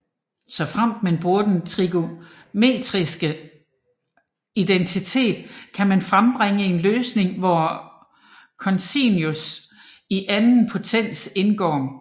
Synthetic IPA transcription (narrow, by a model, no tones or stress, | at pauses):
sɒ̽fʁam̰d̥mænb̥ʁuɐd̥ent͡sʰʁiɡ̥o̝ | me̝̰ːd̥ʁisɡ̥ə | id̥ent͡sʰit͡sʰe̝̰ːd̥kʰæmænfʁamb̥ʁeŋəe̝nløːsne̝ŋʋɒ | kʰɒ̽nsinjus | iʔænn̩pʰo̝t͡sʰen̰d̥se̝nɡ̥ɒ̰ː